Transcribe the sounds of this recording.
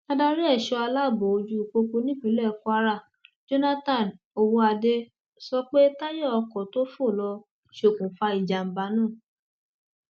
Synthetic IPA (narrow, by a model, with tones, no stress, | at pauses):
a˧da˧ɾi˦ɛ˦˨ʃɔ˧˦a˧la˦˨bo˨o˧d͡ʒu˧˦˨k͡po˧ko˧nĩ˦kĩ˨˦lɛ˦˨ku˦a˧ɾa˦˨ | d͡ʒo˦na˦tã˦˨n | o˧wo˧a˧de˧ | sɔ˧k͡pe˦ta˦jɔ˦˨ɔ˧kɔ˨to˦fo˦˨lɔ˧ | ʃe˧o˦˨kũ˨fa˧i˨d͡ʒa˨m̩˨ba˨˦nũː˦˨